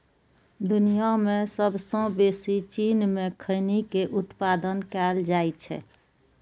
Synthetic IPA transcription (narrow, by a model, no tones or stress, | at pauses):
d̪ʊnijamẽsəbʱsə̃besit͡ʃinmẽkʰəɪnikeʔʊt̪pad̪ənkɛld͡ʒaːt͡ʃʰɛ̰